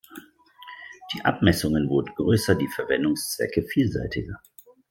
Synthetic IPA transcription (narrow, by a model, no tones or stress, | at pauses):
d̥iːʔa̰pmɛsʊŋənvʊɐdn̩ɡʁøːsɐdiːfɛɐvɛndʊŋst͡sv̥ɛ̰kəfiːlza̰ɪtɪɡɐ